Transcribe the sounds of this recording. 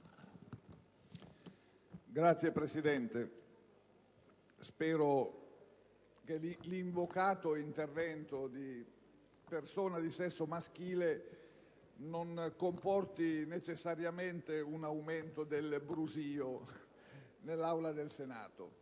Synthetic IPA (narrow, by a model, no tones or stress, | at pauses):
ɡɾat̪sːjepɾesid̪ɛnt̪e | spɛːɾo | k̟eliliɱvokaːt̪oint̪ervɛnt̪od̪i | persoːnad̪isɛsːomask̟iːle | nonkompɔrt̪inet͡ʃesːaɾjament̪eunawment̪od̪elbɾuziːo | nelːawlad̪elsena̰ːt̪o̰